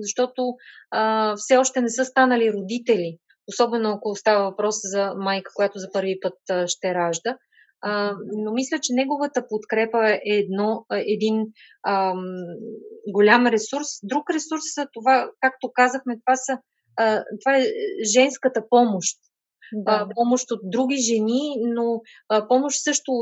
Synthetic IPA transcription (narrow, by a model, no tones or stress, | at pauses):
zɐʃt̪ɔt̪oəfsɛɔʃt̪ɛnɛsɤst̪anəliɾod̪it̪ɛlʲi | osɔbɛnoakolˠost̪avəvɐpɾɔszɐmajkə̥kojat̪ozɐpɤɾvipɤt̪̚ʃt̪ɛɾaʒd̪ə | nomislʲət͡ʃɛnɛɡovət̪əpot̪kɾɛpəɛːd̪nɔɛd̪in | ə | ɡolʲamɾɛsuɾsd̪ɾukɾɛsuɾsːət̪ovakak̚t̪okazəxmɛt̪ovasə | t̪ovaɛʒɛnskət̪əpɔmoʃt̪̚ː | pɔmoʃt̪ot̪̚d̪ɾuɡ̟ʲiʒɛnino | pɔmoʃt̪sɤʃt̪ʊ